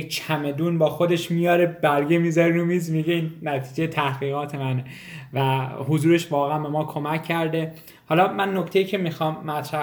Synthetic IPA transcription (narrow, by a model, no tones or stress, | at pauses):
et͡ʃʰæme̞d̪uːnbɒːxod̪e̞ʃmijɒːɾebæɾɡemizæɾeɾumiːzmiɟeiːnːæt̪ʰiːd͡ʒejet̪ʰæhɡiːɣɒːt̪ʰe̞mæne | væhozuːɾe̞ʃvɒːɣeæmbe̞mɒːkʰo̞mæcʰːæɾd̪e | hɒːlɒːmænːoct̪e̞jiːcʰe̞mixɒːmːæt̪ʰɾæh